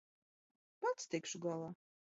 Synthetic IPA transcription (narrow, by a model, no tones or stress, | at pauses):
pat̪st̪ʰɛjkʃuɡalˠa